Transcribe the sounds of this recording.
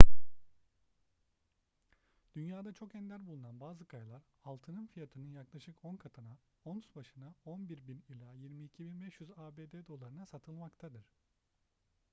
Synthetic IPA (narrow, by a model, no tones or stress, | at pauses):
d̪̥ynjaːd̪at͡ʃʰo̞kɛnd̪ʲæɾbulˠunanbaːzɯkʰajlˠaɾ | alˠt̪ʰɯnɯnfijat̪ʰɯnɯnjaklˠaʃɯkonkʰat̪ʰana | onsbaʃɯnaonbiɾbinilʲaːjiɾmiːcʰibinbɛʃjyzaːbeːd̪ed̪o̞lˠaɾɯnasat̪ʰɯlˠmakt̪ʰad̪ɯɾ̝̥